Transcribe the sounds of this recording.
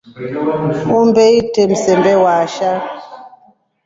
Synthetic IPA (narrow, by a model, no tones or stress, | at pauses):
umbɛitɛm̩sɛmbɛwaʃa